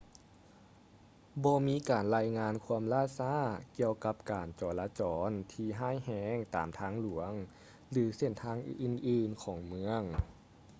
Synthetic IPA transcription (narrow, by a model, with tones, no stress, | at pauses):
bɔː˧miː˧˥kaː˨˩nlaː˧jŋaː˧nkʰu˧əmlaː˧˥˨saː˧˥˨ki˧əwka˧˦˥p̚kaː˨˩nt͡ɕɔː˨˩laː˧˥t͡ɕɔː˩˦nt̪ʰiː˧ɦaː˥˩˨jhɛː˧˥ŋt̪aː˨˩mt̪ʰaː˧˥ŋlu˨˩˦əŋ | lɯː˩˦se˧˩nt̪ʰaː˧˥ŋʔʔɯː˧˩nʔɯː˧˩nkʰɔː˨˩˦ŋmɯ˧˥əŋ